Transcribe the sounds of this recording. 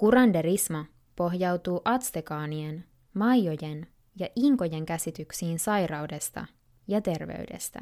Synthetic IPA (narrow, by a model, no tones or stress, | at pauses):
kuɾɑndeɾismɑ | po̞ɦjɑwt̪uːʔɑt̪st̪ekɑːnien | mɑjjo̞je̞n | jɑʔiŋko̞je̞ŋkæsit̪yksiːnsɑjrɑwde̞st̪ɑ̰ | jɑt̪e̞rʋḛyɥde̞̰st̪æ̰